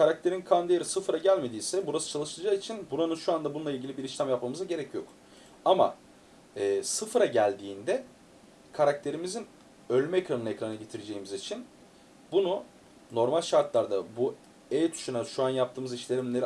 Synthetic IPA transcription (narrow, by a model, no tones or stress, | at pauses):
kʰaɾak̚t̪ʰe̞ɾinkʰand̪eɾisɯfɾaɟælʲme̞d̪iːsɛbuɾasɯ̥t͡ʃʰalˠɯʃɯlˠd͡ʒaːit͡ʃʰinbuɾanɯnʃuand̪abununlˠailʲɟʲilʲibiɾiʃlʲæmjapmamɯzaɟe̞ɾɛcʰjo̞k | ama̰ | ɛːsɯfɯɾaɟælʲd̪iːnd̪ɛ | kʰaɾak̚t̪ʰe̞ɾimizin | ø̞lʲmɛecɾanɯnecɾanɯɟet̪ʰiɾed͡ʒe̞jimizit͡ʃʰin | bunu | no̞ɾmalʲʃaɾt̪lˠaɾd̪abu | ejt̪ʰy̥ʃynɛʃuanjapt̪ʰɯːmɯziʃlʲe̞ɾimlʲe̞ɾ